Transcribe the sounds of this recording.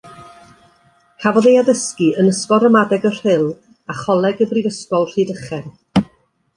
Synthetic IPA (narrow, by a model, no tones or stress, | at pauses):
kʰavɔðejaðəskɨənəskɔɾəmadɛɡər̥ɪlˠ | aχɔlˠɛɡəbrivəskɔlˠr̥idəχɛn